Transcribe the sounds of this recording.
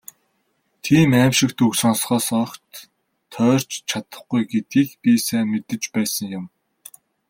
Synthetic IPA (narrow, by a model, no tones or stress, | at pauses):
t̪ʰiːmæːmʃɪ̆k̚t̪ɵksɔnsχɔːsɔkt̪ʰː | œːr̥t͡ɕt͡ɕʰat̪ə̥̆χɡujɡet̪ɡiːxpʲiːsæːmet̪ɘ̆t͡ɕpæːsə̆ŋjʊm